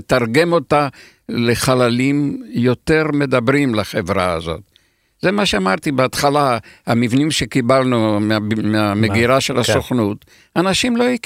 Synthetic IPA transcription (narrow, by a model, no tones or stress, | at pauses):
t̪aʁɡe̞mo̞ta | leχalalimjo̞t̪e̞ʁme̞d̪abʁimlaχevʁa̰a̰zo̞̰t̪ | z̥emaʃeamaʁt̪ibeat̪χalahamivnimʃekibalnumeameameɡiʁaʃelasoχnut̪ | anaʃimlo̞ik